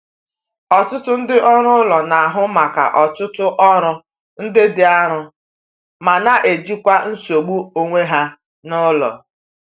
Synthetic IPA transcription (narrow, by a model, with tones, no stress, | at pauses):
ɔ˨tʊ˦tʊ˦n̩˦dɪ˦ʔɔ˦ɾʊ˦lɔ˨na˨a˨ɦʊ˦ma˨ka̰˨ʔɔ˨tʊ˦tʊ˦ʔɔ˦ɾʊ˦ | n̩˦dɪ˦dɪ˨a˦ɾʊ˦ | ma˨na˨ʔe˨d͡ʒi˦kʷa˦n̩˦so˨ɡ͡bu˦o˦ŋʷe˦ɦa˦ | nʊ˦lɔ̰˨